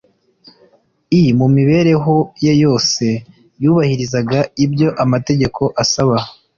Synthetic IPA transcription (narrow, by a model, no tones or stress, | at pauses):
imumiβe̞ɾe̞ɦo̞je̞jo̞ːse̞ | juːβahiɾizaɡaibjo̞ʔamate̞ɟe̞kʰo̞ʔasaβa